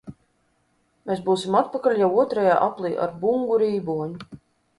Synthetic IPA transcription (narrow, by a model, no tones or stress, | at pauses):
meːs̬buːsimat̪̚pakalʲjawuɔt̪ɾaja̰ːʔaplˠiːʔa̰ɾbuŋɡuɾiːbuɔɲu